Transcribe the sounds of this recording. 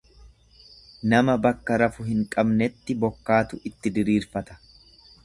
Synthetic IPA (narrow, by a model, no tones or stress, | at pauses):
nɐmɐbɐkːɐɾɐfʊɦɪŋkʼɐbnɛt̪ːɪbɔkːaːt̪ʊʔɪt̪ːɪd̪ɪɾiːɾfɐt̪ɐ̥